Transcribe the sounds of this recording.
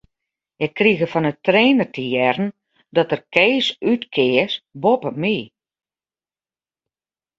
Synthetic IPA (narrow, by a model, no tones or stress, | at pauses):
ɛkriɣəfɔnətreːnərtʰəjɛrn̩ | dɔtərkeːsytkʰɪəsbopəmi